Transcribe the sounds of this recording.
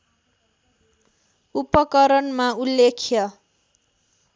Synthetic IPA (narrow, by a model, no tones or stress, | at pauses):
upʌkʌɾʌnmaulːekʰjʌ